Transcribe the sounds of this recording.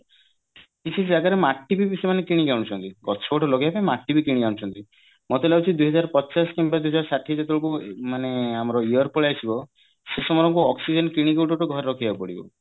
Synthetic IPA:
kit͡ʃʰid͡ʒaɡaɾemaʈːibibisemanekiɽ̃iɡawɽ̃ut͡ʃʰɔnt̪iɡɔt̪ɔ̥sʰɔʈʰɔloɡjapamaʈːibikiɽĩɡaw̃ɽ̃ut͡ʃʰɔnt̪i | mɔt̪elawt͡ʃʰid̪uɦɔd͡ʒaɾpɔtːsaskimbad̪uɦɔd͡ʒaɾɔsaʈʰːid͡ʒet̪ɔɭokumaneamɔɾɔiɔɾpɔɭaesʰibɔ | sesɔmɔɾɔŋkuɔksid͡ʒenkiɽ̃iɡoʈɔʈɔɡʱɔɾeɾɔkʰibapɔɽibɔ̰

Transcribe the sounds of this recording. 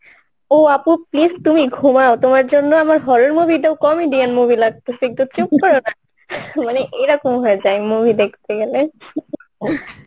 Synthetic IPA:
oapʊ̃plistumiɡʱumaʊtʊmaɹzɔnːɔamaɹɦɔɹɔɹmobʱideʊkɔmidianmobʱilak̚tusik̚tutukkːɔɹɔna | manɛʔejɾakɔmɦɔɛzajmobʱidekʰt̪ʰɛɡelɛ

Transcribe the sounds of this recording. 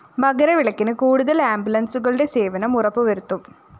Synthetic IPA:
mɐɣɐɾɐʋiɭɐkːinɨkuːɽuðɐlaːmbjulɐnsuɣɐɭɨɽe̞se̞ːʋɐnɐmurɐpːɨʋɐɾut̪ːum

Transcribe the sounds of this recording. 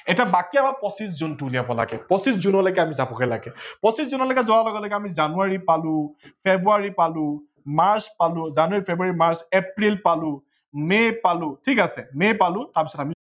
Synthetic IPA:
ɛtiabakiabapɔsiszuntulijabɔla̰ɡɛ̰pɔsiszunɔlɔjɡɛamizapɔkɛla̰ɡɛpɔsiszunɔlɔkɛzɔɹalɔɡɔlɔjkɛamizanuaɹipalʊ̃pʰebɹuaɹipalʊ̃ | maɹspalʊ̃zanuwaɹipʰebɹuaɹimaɹsepɹilpalʊ̃ | mejpalʊ̃tʰikasɛmejpalʊ̃taɹpi̥sɔtami

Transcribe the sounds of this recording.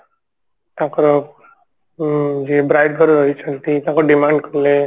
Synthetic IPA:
t̪jãkɾɔ | d͡ʒebɾajɖɡəɾɾɔit͡sʰənt̪it̪jãkɾɔɖimaɳɖkʌɾle

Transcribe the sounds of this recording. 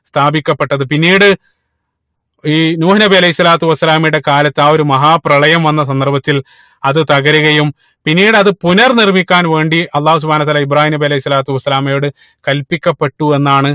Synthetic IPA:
st̪ʰaːbikʲːɐpːe̞ʈːɐðɨpinːiːɽɨ | iːnuːhɐnɐbiɐlɐjhisːɐlaːt̪uʋɐsːɐlaːmiɽe̞kaːlɐt̪ːaːo̞ɾumɐɦaːprɐɭɐjɐmʋɐnːɐsɐnd̪ɐrbɐt̪ːil | ɐðɨt̪ɐɣɐɾuɣɐjum | pinːiːɽɐðɨpunɐrnirmikʲːaːnʋe̞ːɳɖiɐlˠːaːhus̬ubʱhaːnɐt̪ːaːlaibɾaːhiːnɐbiɐlɐjhisːɐlaːt̪uʋɐsːɐlaːmɐjoːɽɨ | kɐlpikʲːɐpːe̞ʈːue̞nːaːɳɨ

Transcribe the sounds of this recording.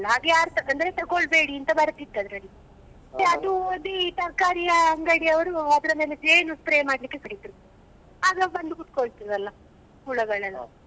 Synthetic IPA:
lːɐɦaːɡejaːɾt̪ɐɐnd̪ɐɾet̪ɐɡoɭbe̞ːɽiɐnt̪ɐbɐɾɐt̪ːid̪ːɐd̪ɾɐlːi | eɐd̪ud̪it̪ɐɾkaːɾijɐɐŋɡɐɽijɐʋɐɾuɐd̪ɾɐmeːled͡ʒeːnuspɾeːmaːɖlikːekɐɽit̪iɾu | aːɡɐbɐnd̪ukuʈ̪̚koɭt̪iɾɐd̪ɐlːɐ | uɭɐɡɐɭɐlɐ

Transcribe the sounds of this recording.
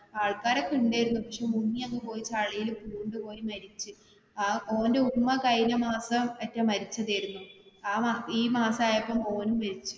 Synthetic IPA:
aːɭkaːɾɐkːiuɳɖaːjiɾunːupɐkʂemunːijɐnːɨpo̞ːjit͡ɕaɭɐjilupuːɳɖɨpo̞ːjimɐɾit͡ɕːɨ | ao̞ːndeumːɐkɐjnɐmaːsɐmɐtːɐmːɐɾit͡ɕːɐðajɾunːuaːmaiːmaːsaːjepːɐmo̞ːnumːɐɾit͡ɕːɨ̥

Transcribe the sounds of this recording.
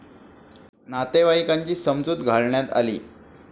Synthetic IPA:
nat̪eʋaikaɲt͡ɕiːsəmd͡zuːt̪ɡʱaɭɳjat̪a̰lḭː

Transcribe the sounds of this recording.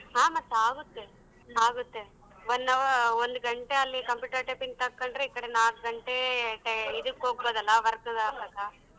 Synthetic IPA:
ɦaːmɐt̪ːaːɡut̪ːe | aːɡut̪ːe | ʋɔnːɐond̪uɡɐɳʈeɐlːikɐmpjuːʈɐɾʈɐpiŋɡ̚t̪ɐkːɐɳɖɾeikːɐɽenaːk̚ɡɐɳʈeʈɐid̪ukːɦoːɡ̚boːd̪ɐlːɐʋɐɾɐkːɐd̪aːbɐːka

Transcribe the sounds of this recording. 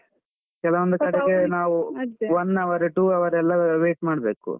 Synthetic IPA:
kɛlɐʋond̪ukɐɽeɡenaːʋuʋɐnːɐʋɐɾeʈuːɐʋɐɾɛlːɐʋeːʈmaːɽbeːkṵ

